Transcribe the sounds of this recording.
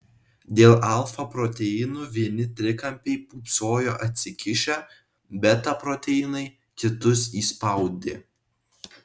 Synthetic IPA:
d̪ʲeːlˠɐlˠˑfɐpɾoːt̪ʲɛɪnuːʋʲiɛnʲɪt̪ʲɾʲɪkɐmʲpʲɛɪpuːpsoːjoːʔɐt̪ʲsʲɪkʲɪʃʲɛ | bʲɛt̪ɐpɾot̪ʲɛɪnɐɪ | kʲɪt̪ʊs̬iːspɐʊd̪ʲɪ̰

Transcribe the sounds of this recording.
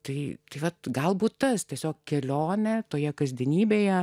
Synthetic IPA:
t̪ɐɪt̪ɐɪʋɐt̪ɡɐlˠbuːt̪t̪ɐst̪ʲiɛsʲoːk̚kʲɛlʲoːnʲɛt̪oːjɛkɐzʲd̪ʲɛnʲiːbʲeːjɛ

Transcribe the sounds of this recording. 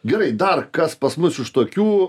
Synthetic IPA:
ɡʲɛɾɐɪd̪ɐrkɐspɐsmʊsɪʃt̪oːkʲuː

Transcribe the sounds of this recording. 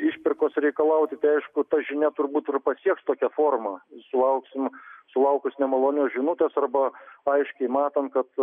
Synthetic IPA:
ɪʃʲpʲɪrkoːsɾʲɛɪkɐlˠɐʊt̪ʲɪt̪ɐɪɐɪʃkʊt̪ɐʒʲɪnʲɛt̪ʊrbuːt̪ɪrpɐsʲiɛkst̪oːkʲɛfoːrmɐsʊlˠɐʊksʲɪmsʊlˠɐʊkʊsnʲɛmɐlˠoːnʲoːsʒʲɪnʊt̪ʲeːsɐrbɐɐɪʃʲkʲɛɪmɑːt̪ɐnt̪̚kɐt̪

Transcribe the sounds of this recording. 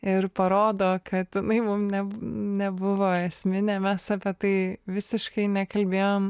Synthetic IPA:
ɪɾpɐɾoːd̪oːkʰɐt̪jɪnɐɪmʊmnʲɛbnʲɛbʊʋoːɛsʲmʲɪnʲeːmʲɛsɐpʲɛt̪ɐɪʋʲɪsʲɪʃkɐɪnʲɛkɐlʲbʲeːjoːm

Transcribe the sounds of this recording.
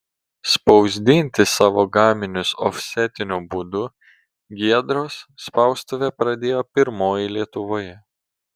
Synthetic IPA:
spɒʊzʲd̪ʲɪnʲt̪ʲɪsɑːʋoːɡɑːmʲɪnʲʊsɔfʲsʲɛt̪ʲɪnʲubuːd̪ʊ | ɡʲiɛd̪ɾoːsːpɐˑʊst̪oʋʲepɾɐd̪ʲeːjoːpʲɪɾmoːjɪlʲiɛt̪ʊʋoːjɛ

